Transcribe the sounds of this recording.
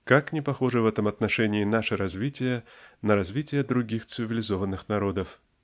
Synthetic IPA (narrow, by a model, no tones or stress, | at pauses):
kaknʲɪpɐxɔʐɨvɛt̪əmɐt̪nɐʂɛnʲɪːnaʂɨɾɐzʲvʲitʲɪjənɐɾɐzʲvʲitʲɪjəd̪ɾʊɡʲixt̪sɨvʲɪlʲɪzovənːɨxnaɾod̪əf